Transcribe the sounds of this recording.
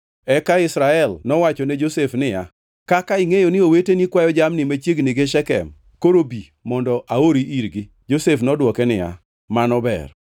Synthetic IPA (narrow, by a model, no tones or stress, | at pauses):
ɛkaɪsɾaɛlnɔwat͡ʃɔned͡ʒosefnɪja̰ | kakaɪŋejonɪowetenikwajɔd͡ʒamnɪmat͡ʃjeɡnɪɡeʃɛkɛ̰m | koɾobi | mɔndɔʔaoɾiʔiɾɡɪ | d͡ʒosefnɔdwɔkɛnɪja̰ | manɔbɛ̰r